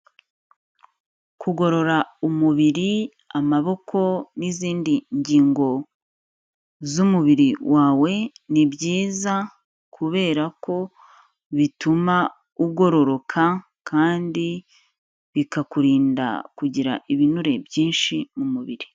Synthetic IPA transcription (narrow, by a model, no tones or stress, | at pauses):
kuɡo̞ɾo̞ɾaumuβiɾi | amaβo̞kʰo̞niziːndiɲɟiːŋɡo̞ | zumuβiɾiwʔaːwe̞nibɟiːza | kʰuβe̞ːɾako̞ | βituma | uɡo̞ɾo̞ɾo̞kʰa | kʰaːndi | βikakuɾiːnda̰kuɟiɾa̰ʔiβinuɾe̞bjiːnʃimumuβiɾi